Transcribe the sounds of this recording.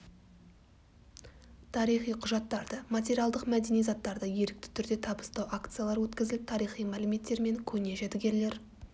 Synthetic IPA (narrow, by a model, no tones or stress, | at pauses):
t̪ʰɑɾijχijqʰʊʒɑt̪ːɑɾd̪əmat̪ʲe̞ɾijalˠd̪əqmæd̪enejzɑt̪ːɑɾd̪əje̞ɾɪk̚t̪ɪ̥t̪ʰʏɾd̪e̞t̪ʰɑbə̥st̪ɑwʔakt̪sɨjalˠɑɾwɵt̪kʲɪzɪlɪt̪ʰɑɾijχijmælɪme̞t̪ːe̞ɾme̞ŋkʲʰɵne̞ʒet̪ɪɡʲe̞le̞ɾ